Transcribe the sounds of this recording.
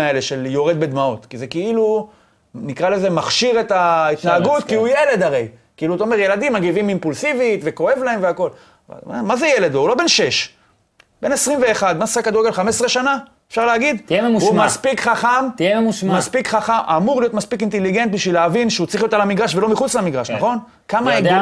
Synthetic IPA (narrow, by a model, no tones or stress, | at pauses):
aele̞ʃeljo̞ʁed̪̚bed̪mao̞t̪kize̞keilu | nikʁale̞ze̞maχʃiʁet̪ait̪naaɡut̪̚kiujele̞d̪aʁe̞jkeiluat̪aomeʁje̞lad̪imːaɡivimimpulsivit̪ve̞ko̞e̞vlae̞mveako̞l | va̰mamazejeled̪oulo̞be̞nʃe̞ʃ | b̥e̞nesʁimve̞ːχad̪̚masakad̪uʁeɡelχamesʁe̞ʃana | e̥fʃaʁleaɡid̪ememuumaspikχaχamiememuʃmmaspikχaχamamuʁlijo̞t̪maspikint̪eliɡe̞nt̪̚biʃvileavinʃeut͡sʁiχijot̪alamiɡʁaʃvelo̞miχut͡slamiɡʁaʃnaχo̞n | kamaeɡ